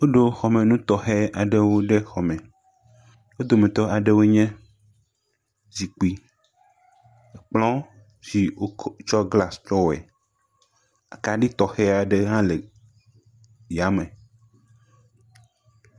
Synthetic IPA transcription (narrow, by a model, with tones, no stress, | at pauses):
wo˦ɖo˨xɔ˨mẽ˨nũ˦t̪ɔ˨xɛ˦a˨ɖɛ˦wo˦ɖe˦xɔ˨mɛ̃˨ | wo˦d̪o˨mẽ˨t̪ɔ˦a˨ɖe˦wo˦ɲɛ̃˦ | d͡ʑi˨k͡pi˦ | ɛ˨k͡plɔ̃˦ | zi˨o˦t͡ʃɔ˦ɡla˨st͡ʃɔ˦wɛ̰˨ | a˨ka˨ɖi˦t̪ɔ˨xɛ˦a˨ɖe˦ɦã˦le˨ | ja˨˦mɛ̃˨